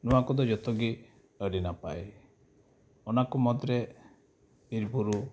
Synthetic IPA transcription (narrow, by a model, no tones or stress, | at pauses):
nuwakud̪ɔd͡ʒɔt̪ɔɡi | əɽinapa̰j | ɔnakumɔd̪ɾe | biɾbuɾu